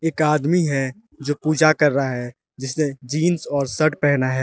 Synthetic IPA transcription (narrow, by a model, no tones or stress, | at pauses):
eːkaːd̪miɦɛ | d͡ʒoːpuːd͡ʒakɐɾːaɦɛː | d͡ʒɪsmed͡ʒiːnsɔːɾsɐʈpɛɦnaɦɛː